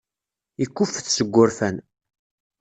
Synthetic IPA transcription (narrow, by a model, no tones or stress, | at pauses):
ikːʊfːθsəɡʷːʊɾfæn